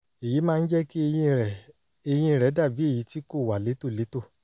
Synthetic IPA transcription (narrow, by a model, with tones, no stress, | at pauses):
e˨ji˨˦mãː˦˧n̩˦d͡ʒɛ˦ki˦˧ɛ˨ | e˧j̃ĩ˧ɾɛ˨˦da˦˨bi˨˦e˦˨ji˨˦ti˦ko˦˨wa˨le˨˦to˦˨le˨˦to˦˨